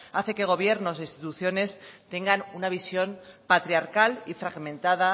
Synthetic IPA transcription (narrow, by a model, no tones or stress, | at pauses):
aθe̞keɣ̞o̞βje̞ɾno̞sist̪it̪uθjo̞ne̞st̪e̞ŋɡanunaβ̞isjo̞npat̪ɾiaɾkalifɾaɣmẽ̞nt̪aða